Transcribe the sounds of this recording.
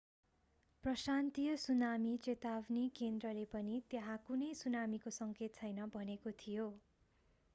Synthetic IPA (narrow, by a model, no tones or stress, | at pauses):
prʌsant̪ijʌsunamit͡set̪abnikend̪rʌlepʌnit̪jeɦãkunʌjsunamikosʌŋket̪̚t͡sʰʌjnʌbʱʌnekot̪ʰijo